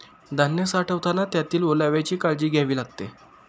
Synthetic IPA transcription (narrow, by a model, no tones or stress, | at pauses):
d̪ʱanːəsaʈʰəʋt̪ʰanat̪jat̪iːlʋolaʋjat͡ɕiːkaɭd͡ʑiːɡʱjaʋiːlaɡ̚t̪e